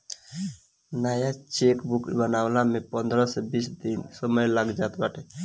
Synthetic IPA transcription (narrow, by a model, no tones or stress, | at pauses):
najat͡ʃekbukbənawlamepənd̪ɾəsebisd̪insəməjlaɡd͡ʒat̪baʈe